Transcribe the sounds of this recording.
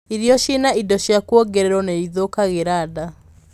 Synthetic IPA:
iɾjɔɕinaidɔɕjakwɔɡɛɾɛɾwɔnɛiðokaɣeɾada

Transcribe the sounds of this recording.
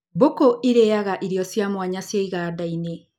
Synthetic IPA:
bokoʔiɾɛaɣaʔiɾijɔsjamwaɲasjaiɣaːdaine

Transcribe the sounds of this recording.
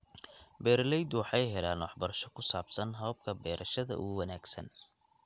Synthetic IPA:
bɛːɾlɛjd̪ʊwɑħɑjɦɛlaːnwɑħbɐɾɐʃɔkʰʊsaːbsɐnɦɔːb̚kʰɐbɛːɾʔɐʃɐðɐ̰ʔʊ̰ɣʊwɐnaːɡsɐ̰n

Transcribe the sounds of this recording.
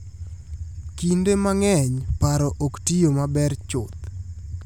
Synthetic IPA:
kindemaŋɛɲpaɾɔʔoktijomabɛrt͡ʃʊt̪̚

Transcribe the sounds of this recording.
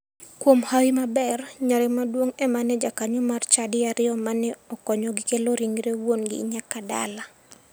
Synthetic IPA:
kwomhawimabɛrɲaɾɛmadwoŋɛmanɛd͡ʒakaɲomart͡ʃadɪaɾɪjɔmanɛɔkɔɲɔɡɪkeloɾiŋɾewonɡɪ̰ɲakada̰la

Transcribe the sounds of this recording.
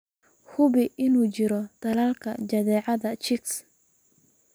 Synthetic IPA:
hʊβɪʔɪnuːt͡ʃɪɾɔt̪ɐlɐlkʰɐt͡ʃɐðɛːʕɑðɐt͡ʃɪks

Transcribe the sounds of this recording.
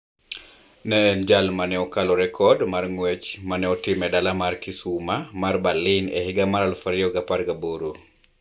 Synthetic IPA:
nɛnd͡ʒalmanɛɔkalɔɾɛkʰɔdmarŋwet͡ʃmanɛɔtɪmɛdalamarkisumamarbalːinɛ̰hɪɡamaɾalfaɾɪɔɡapaɾɡaboɾu

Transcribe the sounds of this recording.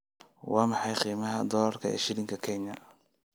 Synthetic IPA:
wɑːmɑħɑjqiːmɐɦɐd̪ɔlɐrkʰɐ̰ɛ̰ʃɪɾɪŋkʰɐkʰɛɲɐ

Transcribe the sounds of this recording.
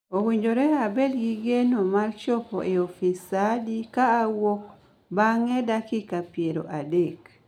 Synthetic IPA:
owiɲd͡ʒoɾɛabɛlɡiɡenomart͡ʃɔpo̰ʔeofisadikaːwok | baŋɛdakikapieɾo̰ʔadek

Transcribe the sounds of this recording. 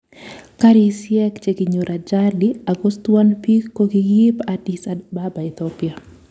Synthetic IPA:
kaɾisjɛkt͡ʃeɡiɲoɾʔad͡ʒadiaɡost̪wanpiːoɡijɪpadisababaɪt̪ɔpia

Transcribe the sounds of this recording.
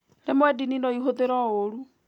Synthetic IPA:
nemwɛdininɔiɦoðeɾɔoɾu

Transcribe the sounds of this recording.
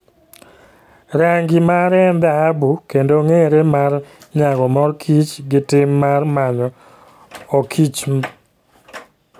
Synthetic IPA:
ɾaŋɡimaɾɛnd̪aabukendoŋeɾemar | ɲaɡɔmɔrkʰit͡ʃɡɪtɪmːarmaɲɔ | okʰit͡ʃm

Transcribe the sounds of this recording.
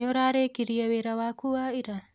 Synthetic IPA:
oɾaɾekiɾiɛβeɾawakuaiɾa

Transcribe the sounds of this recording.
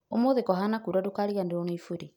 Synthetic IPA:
omoðekɔɦanakuɾadokaɾiɣandeɾɔnoifuɾe

